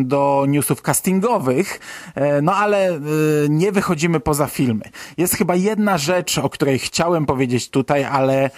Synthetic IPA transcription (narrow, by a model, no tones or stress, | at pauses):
d̪ɔɲusufkast̪ʲiŋɡɔvɘxnɔalɛɲɛvɘxɔd͡ʑimɘpɔzafʲilmɘ̰jɛst̪xɘbajɛd̪naʐɛt͡ʂɔkt̪uɾɛjxt͡ɕawɛmpɔvʲjed͡ʑet͡ɕt̪ut̪ajalɛ